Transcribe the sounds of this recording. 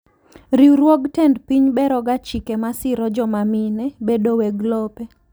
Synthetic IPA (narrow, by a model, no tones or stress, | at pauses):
ɾiwɾwɔɡtɛndpiɲbɛɾɔɡat͡ʃikemasɪɾɔd͡ʒɔmaminɛbedowɛɡlɔpe